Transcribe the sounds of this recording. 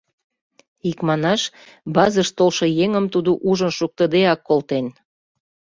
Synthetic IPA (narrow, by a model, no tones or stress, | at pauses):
ikmɑnɑʃ | bɑzəʃt̪olʃɤjeŋəmt̪ud̪uʔuʒənʃuk̚t̪əd̪eɑkːolt̪en